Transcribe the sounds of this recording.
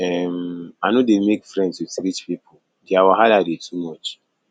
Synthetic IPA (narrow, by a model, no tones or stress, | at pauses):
ɛmanodemekfɹɛ̃ndsusiɾit͡ʃpipʰo | diawaɦadadetʰumɔt͡ʃ